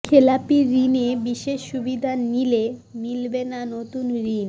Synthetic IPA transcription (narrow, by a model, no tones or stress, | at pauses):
kʰelapiɾinebiʃeʃːubid̪ʱaːilemilbenanot̪unɾin